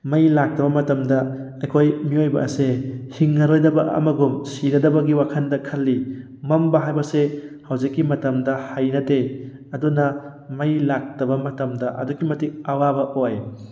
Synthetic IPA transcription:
mɐjlak̚tɐbɐmɐtɐmdɐ | ɐjkʰojmiojbɐ̰ɐ̰sehiŋːɐɾojdɐbɐʔɐ̰mɐɡumsinɐdɐbɐɡiwakʰɐndɐkʰɐlːi | mɐmbɐɦajbɐsehɐwzikːimɐtɐmdɐhajnɐte | ɐdunɐ | mɐjlak̚tɐbɐmɐtɐmdɐʔɐ̰dukːimɐtik̚ɐwabɐʔoj

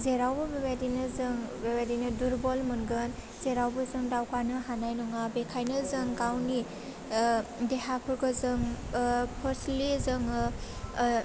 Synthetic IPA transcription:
zeɾawbɯbebadinɯzɯŋbebadinɯduɾbɔlmɯnɡɯn | z̥eɾawbɯzɯŋdawkanɯɦanajnɔŋabekʰajnɯzɯŋɡawni | deɦapʰɯɾɡɯzɯŋ | pʰɔɾslizɯŋ

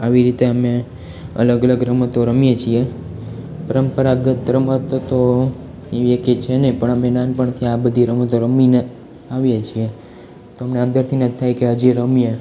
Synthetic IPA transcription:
aʋiɾit̪eəme | ə̰ləɡələɡɾəmət̪oɾəmjet͡ʃʰie | pəɾəmpəɾaɡət̪ɾəmət̪t̪o | eʋieket͡ʃʰenepəɳəmenanpəɳt̪ʰiabəd̪ʱiɾəmət̪oɾəmine | aʋjet͡ʃʰie | t̪oəmneə̃nd̪əɾt̪ʰinət̪ʰːajkeɦəd͡ʒiɾəmije

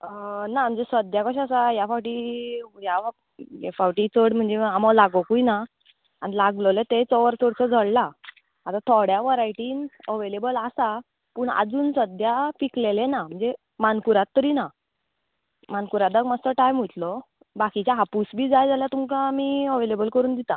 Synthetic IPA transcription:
nam̤əɳd͡zesəd̪jakɔɕasajafaʋʈiːja | jḛfaʋʈiːt͡səɽm̤əɳd͡zeamɔlaɡokujna | anilaɡləlet̪et͡sɔʋəɾt͡səɽt͡səd͡zʱəɽlaː | t̪at̪ʰɔɽjaʋəɾaiʈiːnəʋelebəlasa | pəːɳa̰d͡zuːnsəd̪japiklelenam̤əɳd͡ze | mankuɾat̪ːəɾiːna | mankuɾad̪əkmad͡zt̪əʈajmɦut̪lɔ | bakit͡ɕjaɦapusbʱiːd͡zajd͡zaljat̪umkamiːəʋelebəlkəɾuːnd̪it̪a

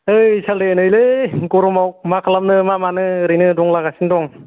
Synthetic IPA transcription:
ɯjsaldenɯjleɡɔɾɔmawk̚makʰalamnɯmamanɯɾinɯdɔŋlaɡasindɔŋ

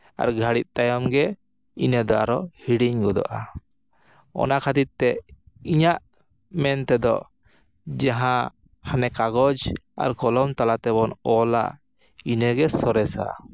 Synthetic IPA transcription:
a̰ɾɡʱaɽit̪̚t̪ajɔmɡɛ | inəd̪ɔa̰ɾɔhiɽiɲɡɔd̪ɔ̰ʔa | ɔ̰nakʰad̪it̪̚t̪ːɛ | iɲaʔ | mɛnt̪ɛd̪ɔ̰ | d͡ʒaɦã | hanɛkaɡɔd͡ʒa̰ɾkɔlɔmt̪alat̪ɛbɔnɔla̰ | inəɡɛsɔɾɛsa̰

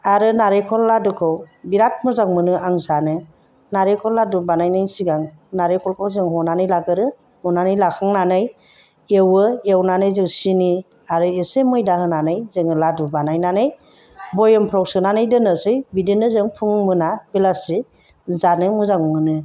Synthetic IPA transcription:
aɾɯnaɾejkʰɔlːadukʰɯwbiɾat̚muzaŋ̚mɯnɯaŋzanɯ | naɾekʰɔlːadubanajnajsiɡaŋ | naɾejkʰɔlkʰɔwzɯŋɦɔnanɯjlaɡɯɾɯ | mɔnanɯjlakʰaŋnanɯj | ewɯewnanɯjzɯŋsini | aɾɯesemɯjdahɯnanɯjzɯŋɯladubanajnanɯj | bɔjɯmpʰɾawsɯnanɯjdɯnɯsɯjbidinɯzɯŋpʰuŋmɯnab̥ilasi | zanɯmuzaŋmɯnɯ

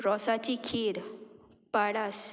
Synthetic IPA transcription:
ɾɔsat͡ɕikʰeɾ | paɽas

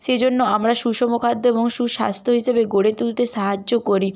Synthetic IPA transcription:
ʃed͡ʑonːoamɾaʃuʃɔmokʰad̪ʱːoeboŋʃuʃa̰st̪ʰoɦiʃebeɡoɽet̪ult̪eʃaɦad͡ʑːokoɾi

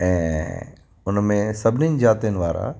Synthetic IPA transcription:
ɛ̃ː | ʊnmẽsɐbʱɪnin̆d͡ʑaːt̪ijənɪʋaːɾa̰

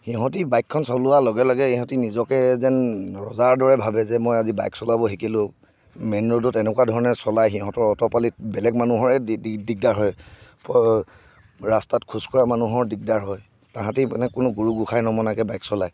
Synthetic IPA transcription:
xiɦɔ̃tibajkʰːɔnsɔlʊalɔɡɛlɔɡɛiɦɔ̃tinizɔkɛzɛnɹɔzaɹdɔɹɛbʱabɛzɛmɔjaziba̰jksɔlabɔɦikilʊ̃ | mɛnɹodɔtɛnɛkuadʱɔɹɔnɛsɔlajxiɦɔ̃tɔɹɔtɔpalitbɛlɛɡmanuɦɔɹɛdiɡ̚daɹɦɔjpɔ | ɹastatkʰuskɔɹamanuɦɔɹdik̚daɹɦɔj | tãɦãtinɛkʊnʊɡuɹuɡukʰajnɔmɔnakɛbajksɔlaj

